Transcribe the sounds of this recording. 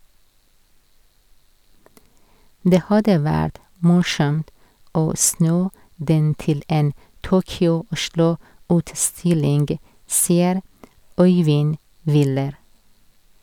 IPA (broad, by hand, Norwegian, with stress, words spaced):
ˈdeː ˈhɑdə ˈʋæːɾt ˈmʊʃɔmt ˈoː ˈsnuː ˈdɛn ˈtɪl ˈɛn ˈtuːkʏʊˌʊʃɭʊʉːtˌstɪlɪŋɡ ˈsiːəɾ ˈɔʏʋɪn ˈʋɪləɾ